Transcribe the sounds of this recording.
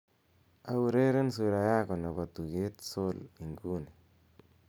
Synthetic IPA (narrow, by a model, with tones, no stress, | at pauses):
a˦wu˨ɾe˦ɾe˦ns̬u˨ɾa˨ja˦kɔ˨na˨βa˨t̪u˨ɡe˦t̪so˦li˨ŋɡu˦ni˨